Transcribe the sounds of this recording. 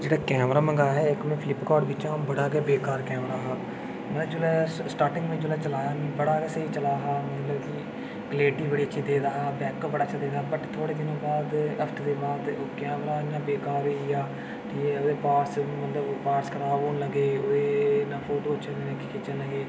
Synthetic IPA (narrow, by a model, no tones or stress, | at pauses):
d͡ʒeːɽaːkɛːmɾaːmə̃ŋɡaːɦɛːɪkmɛ̃ːpʰɪlɪpkɔːɾɖbɪt͡ʃãːbəɽaːɡɛːbeːkaːɾkɛːmɾaːɦaː | mət̪ləbd͡ʒoːlɛːsʈaːɾʈɪ̃ŋɡʋɪ̃t͡ʃolɛːt͡ʃəlaːjaːnĩːbəɽaːɡeːsəiːt͡ʃəlaːɦaːmət̪ləbki | ɡəleːʈiːbəɽiːətːʃʰiːd̪eːd̪aːɦaːbɛ̃ːkobəɽaːt͡ʃad̪eːd̪aːbəʈt̪ʰoːɽeːd̪ɪnõːbaːd̪əfʈ̪ʰd̪eːbaːd̪oːkɛːmɾaːɪnːãːbeːkaːɾeijaː | ʈiːoːd̪eːpaːɾsmət̪ləbpaːɾskəɾaːoːnləɡeːoːeːnaːpʰoːʈoːt͡ʃʰənenẽːkɪkɪt͡ʃənləɡeː